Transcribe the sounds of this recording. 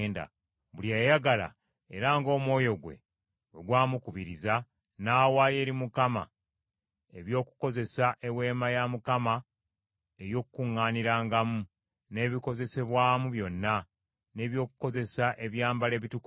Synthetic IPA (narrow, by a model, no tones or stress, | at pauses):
nda̰ | βuljajaɡala̰ | eɾaːŋɡo̞ːmwo̞ːjo̞ɡwe̞̰ | oɡwaːmukuβiɾiza | naːwaje̞ːɾimukama̰ | eβjo̞ːkuko̞ze̞saʔe̞we̞ːmajamukama | ejo̞ːkukuŋːaːniɾaːŋɡamu | ne̞ːβiko̞ze̞se̞βwaːmuβjo̞nːa | ne̞ːβjo̞ːkuko̞ze̞saʔe̞βjaːmbale̞ːβituk